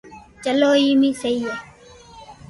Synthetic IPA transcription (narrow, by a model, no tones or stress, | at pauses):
t͡ʃəloːiːmĩːsəiːa